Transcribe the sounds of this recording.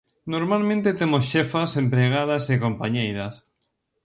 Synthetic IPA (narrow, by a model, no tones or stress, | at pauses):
noɾmalmẽnt̪et̪emosʃefasempɾeɣ̞að̞asekompaɲejðas